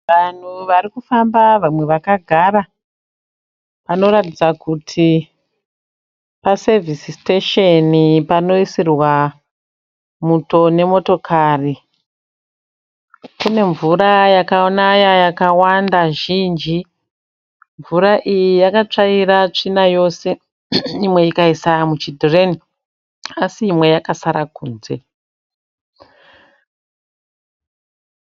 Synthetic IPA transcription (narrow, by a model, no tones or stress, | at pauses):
ʋan̤uʋaɾikufambaʋamwe̞ʋakaɡʱaɾa | pano̞ɾatid͡zakutʰi | pase̞visisteʃenipano̞isirwa | muto̞ne̞mo̞to̞kʰaːri | kune̞ɱvuɾajakaonajajakawandaʒind͡ʒi | ɱvuraʔijijakat͡ʂaiɾat͡ʂinajo̞se̞ | imwe̞ikaisamut͡ʃidʱore̞ni | asiːmwe̞jakasaɾakuːnze̞